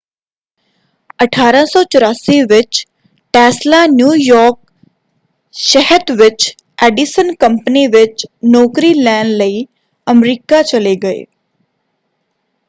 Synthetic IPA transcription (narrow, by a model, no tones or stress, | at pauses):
əʈʰaːɾãsɔːt͡ʃəɾaːsiːʋɪt͡ʃ | ʈɛːslaːnjuːjɔːɾk̚ | ʃəɦət̪ʋɪt͡ʃ | ɛːɖisənkə̃mpniʋɪt͡ʃnɔːkɾilɛːnɖləiː | əmɾiːkat͡ʃəleɡɐḛː